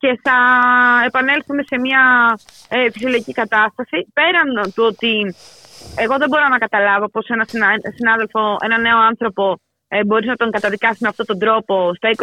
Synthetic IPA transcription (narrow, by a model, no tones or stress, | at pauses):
ce̞θɐe̞pɐne̞lθume̞se̞miɐ | fisioloicikɐt̪ɐst̪ɐsipe̞ɾɐnt̪uo̞t̪i | e̞ɣo̞ðebo̞ɾo̞nɐkɐt̪ɐlɐvo̞po̞se̞nɐsinɐsinɐðe̞lfo̞e̞nɐne̞o̞ɐnθɾo̞po̞ | ebo̞ɾiznɐt̪o̞ŋɡɐt̪ɐðikɐsizmeɐft̪o̞t̪o̞nd̪ɾo̞po̞st̪ɐik